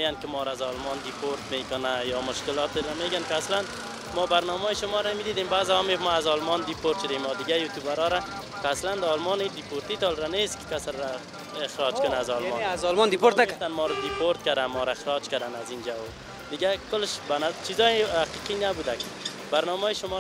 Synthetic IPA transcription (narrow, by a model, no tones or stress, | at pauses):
eɡankɪmɔːɾaazɔlmɔnd̪ipʰoɾt̪mekʊnajɔmʊʃkɪlɔt̪ɾameɡankɪaslan | mɔbaɾnɔmɔːjɪʃʊmɔɾamid̪id̪embazɪhɔmefmaazɔlmɔnd̪ipoɾt̪ʃʊd̪emɔd̪ɪɡajut̪ubaɾɔɾa | kɪasland̪aɔlmɔnid̪ipoɾt̪it̪ɔlɾanest̪kɪ̥kasɾɾa | ɪxɾɔd͡ʒkʊnaazɔlmɔnazɔlmɔnd̪ipoɾt̪nat̪anmɔɾad̪ipoɾt̪kad̪anmɔɾaɪxɾɔd͡ʒkad̪anazind͡ʒawo | d̪ɪɡakʊlɪʃbanat͡ʃizɔjɪhaqiqinabud̪akɪ̥ | baɾnɔmɔjiʃʊmɔ